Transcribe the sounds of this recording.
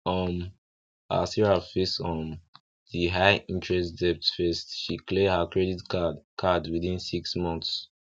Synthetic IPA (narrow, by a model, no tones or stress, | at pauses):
ɔm | a̰siɹafistɔm | ðiɦaɪʔĩntʰɹɛstdɛp̚tfɛstʃiklehəkɹɛditkʰadwiðĩnsiksmɔ̃nθs